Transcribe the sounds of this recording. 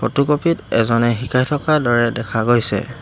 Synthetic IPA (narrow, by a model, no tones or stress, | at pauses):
pɔtukopitɛzɔnɛɦikʰajtʰɔkadɔɹɛdɛkʰaɡojsɛ̰